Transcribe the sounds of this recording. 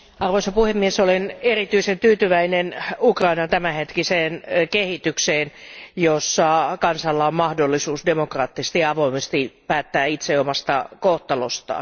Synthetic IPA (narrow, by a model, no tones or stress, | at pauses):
ɑrʋoisɑpuhemːiesolenerit̪yisent̪yːt̪yʋæinenukrɑinɑnt̪æmæhet̪kiseːnkehit̪ykseːnjosːɑkɑnsɑlːɑommɑhdolːisuːsdemokrɑːt̪ːise̥st̪iɑɑʋoimest̪ipæːt̪ːæːit̪seomɑst̪ɑ̰koht̪ɑlo̰st̪ɑ̰ː